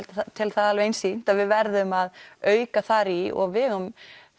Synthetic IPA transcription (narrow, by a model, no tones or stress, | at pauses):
lt̪t̪ʰɪlθaðalvejnsin̥t̪aðvɪðvɛɾðʏmaðœːɥkaθaɾiɔ̰ɣvɪɣam